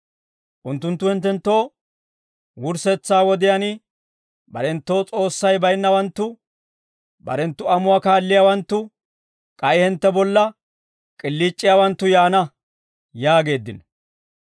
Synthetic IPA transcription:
ʔʊnt̪ːʊnt̪ːʊhɪnt̪ːɛnt̪ːo̞ː | wʊɾsɛt͡sːaːwɔd̪ɪjanɪ | bɐ̰ɾɛnt̪ːo̞ːt͡sʼo̞ːsːɐjbɐjnːɐwɐnt̪ːʊ | bɐ̰ɾɛnt̪ːʊɐmʊakaːlːɪjawɐnt̪ːʊ | kʼɐjhɪnt̪ːɛbɔlːɐ | kʼɪlːiːt͡ʃʼːɪjaːwɐnt̪ːʊjaːnɐ | jaːɡe̞ːd̪ːɪnɔ

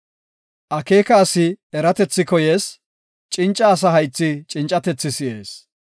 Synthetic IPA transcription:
ʔɐke̞ːkɐːsɪɛɾɐt̪ɛt͡sːɪkɔje̞ːs | t͡ʃʼɪnt͡ʃʼːɐːs̬ɐɦɐjt͡sːɪt͡ʃʼɪnt͡ʃʼɐt̪ɛt͡sːɪsɪʔe̞ːs

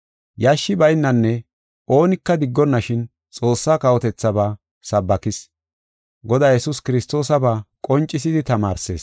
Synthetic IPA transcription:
jaʃːɪbɐjnːɐnːɛ | o̞ːnɪkːɐd̪ɪɡːɔnːɐʃɪn | t͡sʼo̞ːsːaːkɐwɔt̪ɛt͡sːɐbaː | sɐbːɐkɪs | ɡɔd̪aːjɛsʊskɪɾɪst̪o̞ːsɐbaːkʼɔnt͡ʃʼːɪs̬ɪd̪ɪt̪ɐmaːɾse̞̰ːs

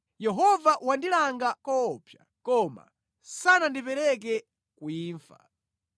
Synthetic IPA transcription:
jɛɦɔvaʔwandilaŋɡakɔːpʰja̰ | kɔma̰ | sanandipɛɾɛk̬ɛ | kuiːɱfa̰

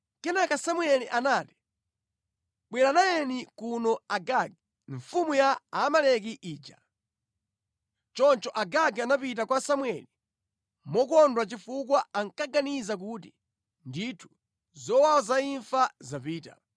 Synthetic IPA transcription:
kɛnakasamwɛliʔanaːti̥ | ɓwɛɾanajɛnikunɔaɡaɡɛ | ɱfumujaːmalɛk̬iʔiːd͡ʒa | t͡ʃɔnt͡ʃɔʔaɡaɡɛanapit̬akwasamwɛli | mɔkɔndwat͡ʃifukwaaŋkaɡanizak̬ut̬i | nditʰu̥ | zɔwawɔzaiɱfazapiːta̰

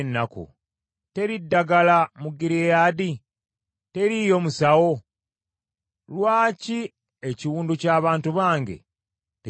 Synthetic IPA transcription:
nːakṵ | te̞ɾidːaɡalamuɡiɾiejaːdi | te̞ɾijo̞musawo̞ | lwaːci | eciwuːnducaːβaːntuβaːŋɡe̞̰ | te

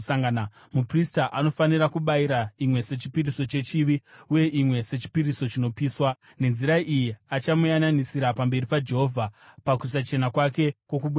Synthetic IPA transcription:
aŋɡna | mupristaʔano̞fanirakuɓaiɾaimwe̞se̞t͡ʃi̥piriso̞t͡ʃe̞t͡ʃiʋiuje̞ʔimwe̞se̞t͡ʃi̥piɾiso̞t͡ʃino̞piːswa | ne̞nziɾaʔijiat͡ʃamujananisiɾapambe̞ripad͡ʒe̞ɦo̞vʱapakus̬at͡ʃe̞nakwake̞kwo̞k̬uɓu

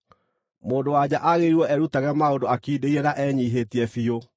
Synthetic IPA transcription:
moːndowad͡ʑaʔaɣeiɾwɔɛɾutaɣɛmaodoakiːdeiɾɛnaʔɛːɲiɦetiɛfio

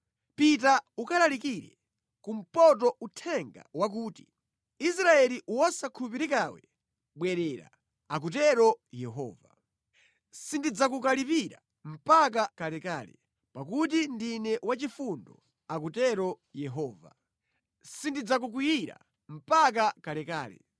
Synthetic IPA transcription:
pitaukalalikiɾɛ̰ | kum̩pɔt̬ɔutʰɛŋɡa̰wak̬uːti̥ | is̬ɾaɛliʔwasakʰupiɾikawɛ | ɓwɛɾɛɾa̰ | ak̬ut̬ɛɾɔjɛɦɔ̰ːva | sindid͡zakukalipiɾa̰ | m̩pak̬akalɛka̰ːlɛ̰ | pak̬ut̬indinɛwat͡ʃifundɔ | ak̬utɛɾɔ | jɛɦɔːva̰ | sindid͡zak̬uk̬wijiɾa̰ | m̩pak̬akalɛkaːlɛ̰

